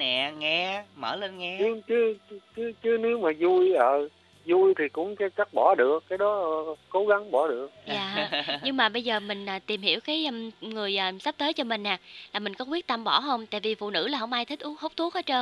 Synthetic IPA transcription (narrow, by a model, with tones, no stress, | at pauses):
nɛ̰˧˨ŋɛ˧mə̰ː˧˩le˧nŋɛ˧ɨ˨˦t͡ɕɨ˨˦t͡ɕɨ˨˦t͡ɕɨ˨˦ne˨˦wmaː˨˩zu˧jʔəː˨˩ | zu˧jt̪ʰi˨˩kʊ̰˧˥ŋ͡mkaː˨˦jt͡ɕa˦˥k̚ɓɔ˧˩˦ɗɨ˨˩əkːaː˨˦jɗɔ˨˦ko˨˦ɣa˨˦ŋɓɔ˧˩˦ɗɨ˨˩ək̚jaː˨˩˨ɲɨ˧ŋmaː˨˩ɓə˧jzəː˨˩mï˨˩ŋ̟ʔəː˨˩t̪i˨˩mhi˧˩əwkaː˨˦jəː˧mŋɨ˨˩əjʔːsa˦˥p̚t̪əː˨˦jt͡ɕɔ˧mï˨˩ŋ̟ːaː˨˩laː˨˩mï˨˩ŋ̟kɔ˨˦kwi˦˥ət̚t̪a˧mɓɔ˧˩ɦə˧wŋ͡mt̪a̰ː˧˨jvi˨˩fṵ˧˨nɨ̰˧˥laː˨˩ɦə˧˩wŋ͡mʔaː˧jt̪ʰi˦˥k̟̚ʔu˦˥ho˦˥k͡p̚t̪ʰu˦˥ək̚aː˨˦t͡ɕəː˧